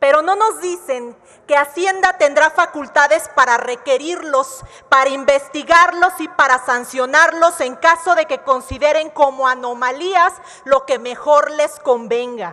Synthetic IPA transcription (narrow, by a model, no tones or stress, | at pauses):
pe̞ɾo̞no̞no̞zðise̞ŋ | ke̞asje̞nd̪at̪e̞nd̪ɾafakult̪aðe̞spaɾare̞ke̞ɾiɾlo̞s | paɾaimbe̞st̪iɣaɾlo̞sipaɾasansjo̞naɾlo̞se̞ŋkaso̞ðe̞ke̞ko̞nsiðe̞ɾe̞ŋkomo̞ano̞maliaz | lo̞ke̞me̞xo̞ɾle̞sko̞mbe̞ŋɡa